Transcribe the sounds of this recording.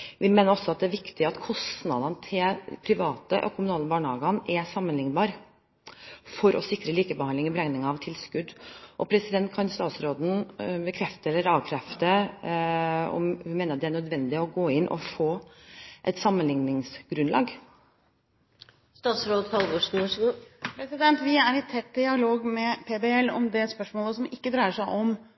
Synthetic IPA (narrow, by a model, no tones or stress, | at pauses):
ʋɪmeːnəɾɔsːɔɑt̪̚d̪ɛæʋɪkt̪ɪɑt̪kʰɔst̪nɑd̪ɑnt̪ʰɪlpʰɾɪʋɑːt̪əʔɔ̰kʰʊmʉnɑːləbɑːɳəhɑːɡɑnɛsɑmːənlɪŋnbɑːɾ | fɔɾʔɔsɪkɾəliːkəbəhɑnd̪lɪŋɔbɾɛŋnɪŋɑʋt̪ʰɪlskʉd̪ːʔɔpʰɾɛsɪd̪ɛnt̪̚kʰɑnst̪ɑːt̪sɾoːd̪n̩bəkʰɾɛft̪əɾɛlːəɾɑːʋkʰɾɛft̪ə | ɔ̰mhʉnmeːnɾɑt̪̚d̪ɛænœd̪ʋɛnd̪ɪɔɡoːɪnːʔɔ̰foː | ʔɛ̰t̪sɑmːənlɪŋnɪŋsɡ̥ɾʉnlɑ̰ːɡ | st̪ɑːt̪sɾoːd̪kʰɑlbɔʂʂpʰɾɛsɪd̪ɛnt̪ʋɪæɾɪt̪ʰɛt̪̚d̪ɪɑloːɡmɛpʰeːbɛɛlːɔ̰md̪ɛspœʂmoːləsɔmɪkːəd̪ɾæɪəʂæɪʔɔm